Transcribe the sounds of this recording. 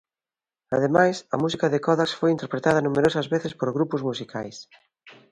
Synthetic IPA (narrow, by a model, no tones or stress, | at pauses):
ɐðemajsɐ̰musikɐðekɔðaksfojint̪eɾpɾet̪aðɐnumeɾosɐzβeθɪspoɾɣɾupʊzmusikʰa̰js